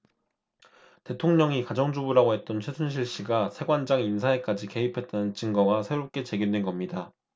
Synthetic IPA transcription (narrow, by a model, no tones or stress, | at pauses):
te̞tʰoŋɲʌŋikad͡ʑʌŋd͡ʑubuɾaɡoɦe̞t̚t͈ʌnt͡ɕʰwesʰunɕ̬ʰiɭɕ͈iɡasʰe̞ɡwand͡ʑaŋinsʰae̞k͈ad͡ʑike̞ɦipʰe̞t̚t͈anɯnt͡ɕɯŋɡʌɡasʰe̞ɾop̚k͈e̞t͡ɕe̞ɡindwe̞nɡʌmɲida